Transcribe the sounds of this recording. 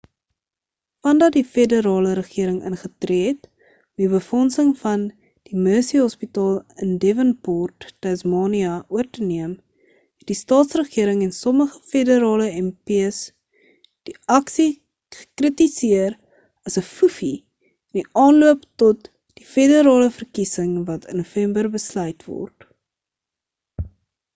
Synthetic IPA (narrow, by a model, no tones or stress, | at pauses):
fɐndɐt̚difedəɾɑːləɾəχiəɾəŋə̰nχətret | ɔmiβəfɔnsəŋfɐn | d̥imøːsiɦɔspitɑːlˠəndevənpɔrtːɛsmɑːniɐʔuərtəniəm | hɛt̚distɑːtsrəχiəɾəŋɛnsɔməχə̥fedəɾɑːləɛmpiəs | d̥iʔɐksi | χə̥krətisiəɾ | ɐsəfufi | ndiʔɑːnluəptɔt | d̥ifedəɾɑːləfərkisəŋvɐtʰə̰nːufɛmbərbəslœɥtvɔ̰rt